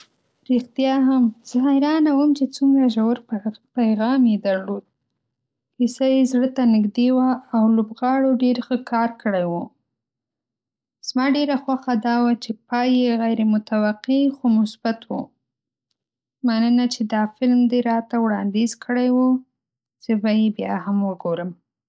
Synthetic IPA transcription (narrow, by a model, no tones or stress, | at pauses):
ɾixt̪jɑɦamz̥ɑɦaɪɾɑnawəmt͡ʃet͡suŋɡɾaʒawɾpajɣɑmjed̪aɾlod̪̚ | kisajezɽət̪anɪɡd̪ewaːwlobɣɑɽoɖeɾxəkʰɑɾkəɽajwu | z̥mɑɖeɾaxwaxad̪ɑwat͡ʃepɑjeɣajɾemʊt̪awaqixomʊsb̥at̪wu | manənat͡ʃed̪ɑfɪlmd̪eɾɑt̪awɽɑnd̪ezkəɽajwu | z̥əbajebjɑhamwəɡoɾəm